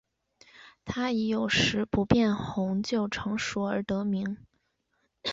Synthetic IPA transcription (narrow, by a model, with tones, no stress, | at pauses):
t̪ʰa˥i˧˥jo˨˩ʊʂɻ̩˧˥pu˧˥pjɛ˥˩nxʊ˧˥ŋt͡ɕjo˥˩ʊʈ͡ʂʰɤ˧˥ŋʂu˨˩ə˞˧˥t̪ɤ˧˥mi˧˥ŋ